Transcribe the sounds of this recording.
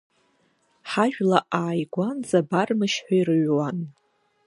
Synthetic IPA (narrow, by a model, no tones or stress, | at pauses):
ħaʒᶣlaʔaːjɡʷanzabarmɨʃħʷᶣairɨɥwan